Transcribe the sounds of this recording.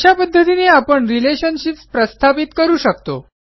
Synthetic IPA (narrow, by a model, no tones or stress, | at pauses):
ɕjapəd̪ʱːət̪ineapəɳɾileɕənɕipspɾəst̪ʰapit̪kəɾuːɕəkt̪o̰